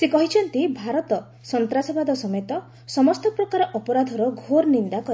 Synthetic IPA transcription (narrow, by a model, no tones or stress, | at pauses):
sekɔɦit͡ʃʰɔnt̪ibʱaɾɔt̪ɔ | sɔnt̪ɾasɔbad̪ʱɔsɔmet̪ɔ | sɔmɔst̪ɔpɾɔkaɾɔʔɔpɔɾad̪ʱɔɾɔɡʱoɾnind̪akɔɾi